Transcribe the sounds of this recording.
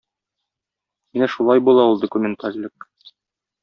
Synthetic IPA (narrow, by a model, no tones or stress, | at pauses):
minæʃulˠɑjbulˠɑulˠd̪ŏkumʲent̪ʰaɾʲlʲɘk